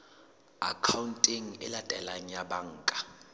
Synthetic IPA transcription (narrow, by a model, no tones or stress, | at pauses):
a̰kʰawntʼiŋ̩ɪ̰latʼɛlaɲjaɓaŋ̩ːkʼḁ